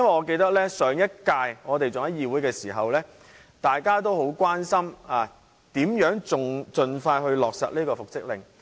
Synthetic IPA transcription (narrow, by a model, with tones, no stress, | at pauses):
jɐ˥nwɐ˨˩jŋɔː˨˧ke˧jt̪ɐ˥k̚lɛː˥sœː˨˥ŋjɐ˥t̚kaː˧jŋɔː˨˧t̪e˨jt͡sʊ˨ŋɐ˨˥jjiː˧wu˨˥jkɛː˧siː˨˩ɦɐ˨wlɛː˥ | t̪aː˨jkaː˥t̪̬o˥wɦo˨˥wkʷaː˥nsɐ˥maː˨˩ | t̪iː˨˥mjœː˨˥ŋt͡sʊ˨ŋt͡sɵ˧nfaː˧jɦɵ˧ɥlɔː˨k̚sɐ̰˨t̚liː˥kɔː˧fʊ˨k̚sɪ˥k̚lɪ̰˨ŋ